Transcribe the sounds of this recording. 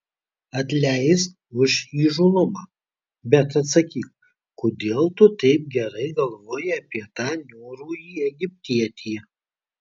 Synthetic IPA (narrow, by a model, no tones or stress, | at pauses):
ɐt̪ʲlʲæɪst̪ | ʊʃiːʒʊlˠʊmɑː | bʲɛt̪ɐt̪sɐkʲiːk | kod̪ʲeːlˠt̪ʊt̪ɛɪp̚ɡʲɛɾɐɪɡɐlˠʋoːjɛɐpʲiɛt̪ɑːnʲoːɾuːjiːɛɡʲɪpʲt̪ʲiɛt̪ʲijɛ